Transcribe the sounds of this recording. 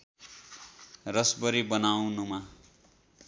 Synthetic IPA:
rʌsbʌɾibʌnawnuma

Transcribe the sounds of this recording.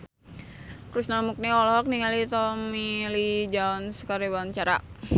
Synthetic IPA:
kɾusnamuk̚niɔlɔɦɔk̚niŋalit̪ɔmmilid͡ʒaunskaɾibant͡ʃaɾa̰

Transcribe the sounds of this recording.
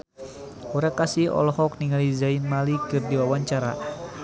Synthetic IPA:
uɾakasiɔ̰lɔhɔk̚niŋalizainmalikɨrdiwawaɲt͡ʃaɾa̰

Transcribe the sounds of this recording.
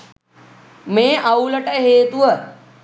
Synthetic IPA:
mẽːʔauləʈəɦeːt̪uə

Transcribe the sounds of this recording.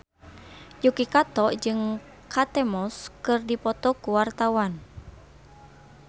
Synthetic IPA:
jukikat̪ɔd͡ʒɨŋ | kʰat̪ɛmɔskɨrdipɔt̪ɔkuwart̪awan

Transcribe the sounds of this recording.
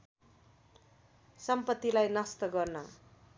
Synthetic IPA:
sʌmpʌt̪ːilajnʌst̪ʌɡʌrnʌ

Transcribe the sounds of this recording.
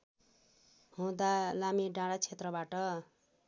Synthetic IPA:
hũd̪alamiɖãɽat͡sʰet̪rʌbaʈʌ

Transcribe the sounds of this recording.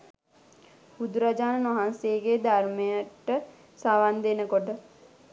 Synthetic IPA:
bud̪uɾad͡ʒaːnənʋaɦanseɡed̪armejəʈə | saʋand̪enəkoʈə

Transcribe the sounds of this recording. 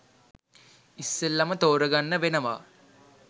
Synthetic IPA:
isːelːɐmɐt̪oːɾɐɡɐnːɐʋenɐʋa̰ː

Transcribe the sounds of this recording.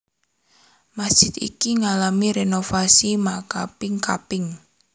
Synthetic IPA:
mḁʒ̥ɪt̪ḭkiŋalamiɾenofasimakapɪŋka̰pɪŋ

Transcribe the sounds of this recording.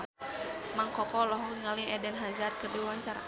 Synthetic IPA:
maŋkɔkɔlɔɦɔŋaliɛdɛnɦazarkərdiwwaɲt͡ʃaɾa̰

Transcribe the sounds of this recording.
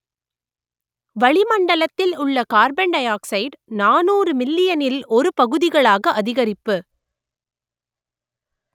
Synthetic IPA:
ʋɐɭɪmɐɳɖɐlɐt̪ːɪlʊɭːɐkaːɾbɛɳɖɐjaːksɐɪɖnaːnuːrɯmɪlːɪjɐnɪlɔɾɯpɐɣɯðɪɣɐɭaːɣɐʔɐðɪɣɐɾɪpːɯ

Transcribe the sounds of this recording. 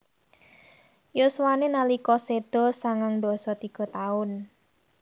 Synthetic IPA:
joswanenalikɔsed̪̥ɔ̤saŋaŋd̪ɔ̤sɔt̪iɡ̥ɔ̤t̪aʊn

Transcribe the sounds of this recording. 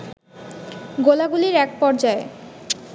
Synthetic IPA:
ɡolaɡuliɾɛk̚pɔɾd͡ʑae

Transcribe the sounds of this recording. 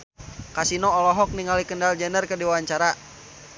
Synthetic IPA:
kasinɔːlɔɦɔk̚niŋalikəndald͡ʒɛnərkədiwaɲt͡ʃaɾa

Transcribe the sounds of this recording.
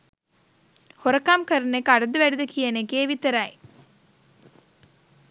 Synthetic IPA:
hoɾɐkamkəɾənekːaɽɐd̪əʋæɽid̪əkijɐnekeːʋit̪əɾɐj

